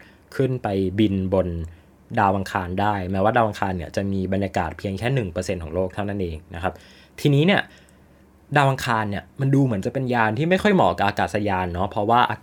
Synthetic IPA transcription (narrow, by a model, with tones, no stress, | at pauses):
kʰɯ˥˩npa˧jbi˧nbo˧n | daː˧wʔa˧ŋkʰaː˧ndaː˥˩jmɛː˦˥waː˥˩daː˧wʔa˧ŋkʰaː˧nːi˦˥˩ɐt͡ɕa˨˩miː˧ba˧njaː˧kaː˨˩t̪̚pʰi˧əŋkʰɛː˥˩nɯ˨˩ŋpɤː˧se˧nkʰɔː˩˦ŋloː˥˩k̚t̪ʰa˥˩na˥˩nʔeː˧ŋna˦˥kʰa˦˥p̚ | t̪ʰiː˧niː˦˥ni˥˩ɐ | daː˧wʔa˧ŋkʰaː˧nːi˥˩ɐma˧nduː˧mɯ˩˦nt͡ɕa˨˩pe˧njaː˧nt̪ʰiː˥˩ma˥˩jxʰɔ˥˩jmɔ̰ː˩˦ka˨˩ʔaː˧kaː˨˩sa˧jaː˧nːɔ˦˥pʰɾɔ˦˥waː˥˩ʔa̰˧